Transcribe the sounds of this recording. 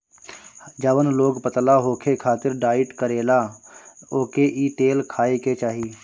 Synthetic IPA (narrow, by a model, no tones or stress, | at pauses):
d͡ʒəʋənloːɡpət̪laɦoːkʰekʰaːt̪ɪɾɖaːɪʈkəɾeːla | oːkeʔiːʈeːlkʰaːeket͡ʃaːɦiː